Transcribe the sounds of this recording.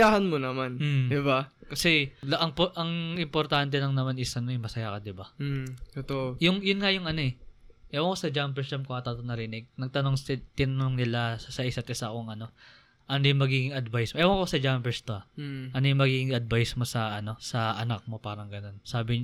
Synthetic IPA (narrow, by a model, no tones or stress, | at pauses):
aːhɐnmonɐman̩d̪ɪbakɐsɛlʔɐŋpʔɐŋʔɪmpoɾt̪ant̪ɛnɐŋnɐmanɪsʔɐno̞ɛŋmɐsɐjakɐd̪ɪbaɛt̪ojʊŋjʊnŋajʊŋɐno̞ɛʔɛwaŋkosɐd͡ʒampɛɹst͡ʃɐmkoŋɐt̪at̪onɐɾɪnɪɡ̚nɐɡ̚t̪ɐno̞ŋt̪ɪnɐnoŋnɪlasɐʔɪsɐt̪ʔɪsakoŋʔɐno̞ | ʔɐnd̪jʊŋmɐɡiːɡɪŋɐd̪vajsmoʔɛwaŋkosɐd͡ʒampɛɹst̪oɐʔɐnojʊŋmɐɡiːɡɪŋɐd̪̚vajsmo̞sɐʔɐno̞sɐʔɐnak̚mo̞paːɾɐŋɡɐno̞nsaːbɪɲ